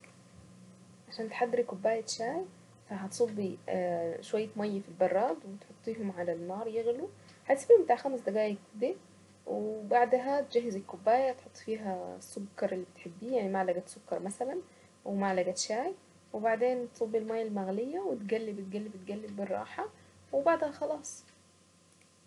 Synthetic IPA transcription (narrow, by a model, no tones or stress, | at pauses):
ʕaʃæːnt̪e̥ħad̪ːɾikobːæːjæʃaːj | fæɦæt̪sˤobːi | ʃowæjːet̪mɑjːfilbɑrˤːɑːd̪wet̪ħot̪ˤːiːɦomʕalænːɑːɾˤjeɣlu | hæt̪sˤbihombet̪aʕxæmesd̪æɡæːjekd̪e | webaʕd̪ɦæt̪ed͡ʒæɦːezelkːobːæːjæt̪ħot̪ˤːfiːɦæsːokːɑɾˤʔelːiːbet̪ħebːiːjaʕnimaʕlæɡæsːokːɑɾˤmæsælæn | wemaʕlæɡæʃaːj | webaʕd̪eːnt̪sˤobːilmɑjːælmæɣlejːæwet̪ɡælːibet̪̚ɡælːibet̪ɡælːebːerˤːɑ̰ːħɑ | webaʕd̪æhæxɑlɑːsˤ